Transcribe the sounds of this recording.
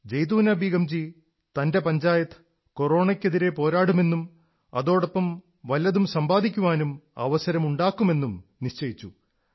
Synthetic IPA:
d͡ʑejt̪uːnɐbʱiɡɐmd͡ʑi | t̪ɐnde̞pɐɲd͡ʑaːjɐt̪ːɨ̥ | koro̞ːɳɐkʲːeðiɾe̞po̞ːɾaːɽume̞nːum | ɐðo̞ːɽɐpːɐm | ʋɐljɐðumsɐmbaːd̪ʱikʲːuʋaːnumɐ̰ʋɐsɐɾɐmuɳɖaːkːume̞nːumniʂt͡ɕɐjit͡ɕːu

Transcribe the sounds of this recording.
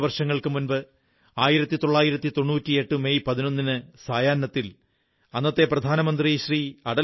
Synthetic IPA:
ʋɐrʂɐŋːɐɭkɨmunbɨ | aːjiɾɐt̪ːit̪o̞ɭːaːjiɾɐt̪ːit̪o̞ɳːuːtʲːie̞ʈːɨmejpɐðino̞nːinɨsaːjaːnːɐt̪ːil | ɐnːɐt̪ːe̞prɐd̪ʱaːnɐmɐnd̪riɕriːɐɽɐ

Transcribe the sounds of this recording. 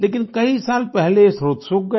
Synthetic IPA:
leːkɪnkɐisaːlpɛɦlesɾoːt̪sʊk̚ɡɐ

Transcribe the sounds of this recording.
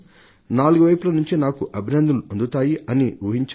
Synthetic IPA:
naːluɡuʋɐjpulɐnuɲt͡ʃinaːkuʔɐbʱinɐnd̪ʱɐluʔɐnd̪ut̪aːjiɐniuɦiɲt͡ʃ

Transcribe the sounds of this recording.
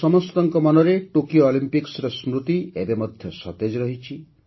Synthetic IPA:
sɔmɔst̪ɔŋkɔmɔnɔɾeʈokioɔlimpiksɾɔsmɾut̪iebemɔd̪ʱjɔsɔt̪ed͡ʒɔɾɔɦit͡ʃʰi

